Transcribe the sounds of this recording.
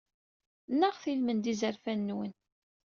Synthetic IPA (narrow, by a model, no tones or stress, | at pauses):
nːəʁθilmənd̪izəɾfænːwən